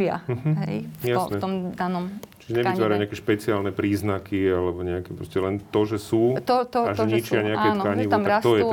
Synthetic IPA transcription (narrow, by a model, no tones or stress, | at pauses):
ɪa̰m̩ɦɦɛjjasɲɛɔmd̪anɔmt͡ʃi̥ʒɛɲɛʋit̪ʋaːɾaɲɛakɛʃpɛt͡siaːlnɛpɾiːznakʰialɛbɔɲɛakɛːpɾɔscɛlɛnt̪ɔʒɛsuːt̪ɔt̪ɔaʒɔɲit͡ʃɪaaɲɛaakɛnɔkaɲiʋamaɾkast̪ɔjɛu